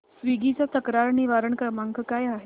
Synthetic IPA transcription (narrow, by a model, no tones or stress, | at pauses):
sʋiɡit͡sat̪əkɾaɾniʋaɾəɳkəmaŋkʰəkajaɦe